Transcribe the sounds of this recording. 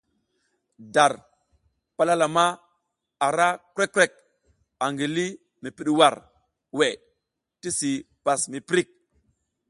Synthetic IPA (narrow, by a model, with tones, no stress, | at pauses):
da˨ɾ | pa˦la˦la˨ma˦ | a˨ɾa˦kɾe˦kːɾe˦˨k̚ | a˨ŋɡi˨li˦ | mi˨pi˨ɗwa˨ɾ | we˨ | ti˦si˨ | pa˨smi˨pɾi˦˨k̚